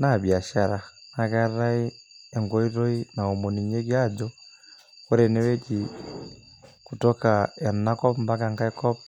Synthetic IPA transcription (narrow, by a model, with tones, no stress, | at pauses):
nabja˨ʃa˨ɾa˨na˨ka˦ɾa˦iɛ˨ŋɡɔ˦i˦ɾɔ˦i˦na˨o˨mu˨ni˨ɲe˦ɡjad͡ʒɔ | kɔ˦ɾɛ˨nɛ˦βɛ˦t͡ʃi | ku˨tɔkaa˨nna˦kɔ˦pmba˦ka˨ŋka˦ɛkɔ˦p